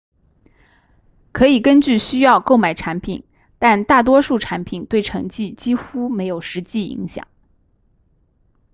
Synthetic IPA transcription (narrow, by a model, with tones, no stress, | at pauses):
kʰɤ˧˥i˨˩kə˥nt͡ɕy˥˩ɕy˥jɑ˥˧ʊko˥˩ʊma˨˩ɪʈ͡ʂʰa˧˥npʰḭ˨˩˦n | t̪a˥˧nt̪a˥˩t̪̬wɔ˥ʂu˥˩ʈ͡ʂʰa˧˥npʰi˨˩nt̪we˥˩ɪʈ͡ʂʰɤ̰˧˥ŋt͡ɕi˥˩t͡ɕi˥xu˥me˧˥ɪjo˨˩ʊʂɻ̩˧˥t͡ɕi˥˩ḭ˧˥ŋɕjɑ̰˨˩˦ŋ